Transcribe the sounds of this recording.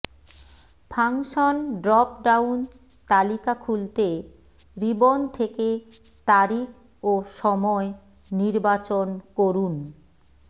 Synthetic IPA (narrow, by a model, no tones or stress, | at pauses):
pʰaŋʃonɖɾɔpɖawn | t̪alikakʰult̪e | ɾibont̪ʰeke | t̪aɾik | oʃɔmɔe | niɾbat͡ɕonkoɾun